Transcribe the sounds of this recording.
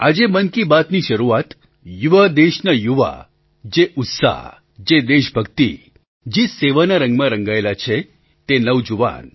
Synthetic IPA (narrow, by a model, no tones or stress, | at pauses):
ad͡ʒemənkibat̪niʃəɾuat̪ | juʋad̪eʃnajuʋa̰ | d͡ʒeʔʊt̪sa̰ɦ | d͡ʒed̪eʃbʱəɡt̪i | d͡ʒeseʋanaɾə̃ŋɡmãɾə̃ŋɡaelat͡ʃʰe | t̪enəʋd͡ʒuʋa̰n